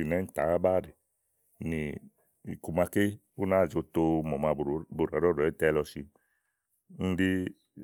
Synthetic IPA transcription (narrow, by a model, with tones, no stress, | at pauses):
i˨nɛ˨˦n̩˦ta̰˨a˦ba˦˨ɾi˨ | ni˨ | i˨ku˨ma˧ke˦ | o˦na˨˦˨d͡ʒo˧to˧mɔ˨ma˧˨bo˨ɾa˨˦ɾɔ˦ɾɛ˨˦tɛ˦˧lɔ˧si˧ | n̩˦di˦